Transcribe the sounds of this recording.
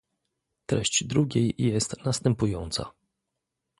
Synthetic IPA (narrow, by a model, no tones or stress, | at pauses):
t̪ɾɛɕt͡ɕd̪ɾuɡʲejjɛst̪nast̪ɛmpujɔnt̪sa̰